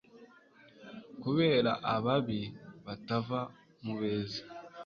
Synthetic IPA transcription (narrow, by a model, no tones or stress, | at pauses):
kuβe̞ːɾaʔaβaβiβatava | muβe̞ːzi̥